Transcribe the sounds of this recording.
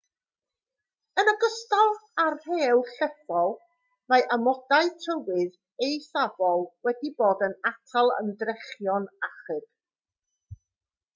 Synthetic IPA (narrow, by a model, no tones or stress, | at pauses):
ənəɡəstalˠarheːlˠɬɛfɔlˠ | majʔamɔdaɨðtʰəwɨð | ejsavɔlˠwɛdiboːdənatʰalˠə̰ndrɛχjɔnaχɨd̥